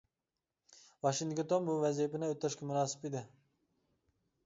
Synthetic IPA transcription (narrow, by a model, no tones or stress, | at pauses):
vɑʃiŋd̪kt̪ʰonbuvɛzijpɪnɪøt̪ːɑʃkɑmunɑːsɪ̥pid̪ɪ